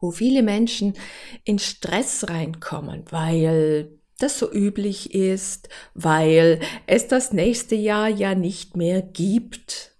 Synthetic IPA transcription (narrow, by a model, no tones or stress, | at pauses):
voːfiːləmɛnʃn̩ʔɪnʃtʁ̥ɛsʁaɪnkʰɔ̰mə̰nvaɪl | d̥asz̥oːʔyːplɪçʔɪstvaɪlʔɛsd̥asnɛːçstəjaːɐjaːnɪçtmeːɐɡ̥iːpt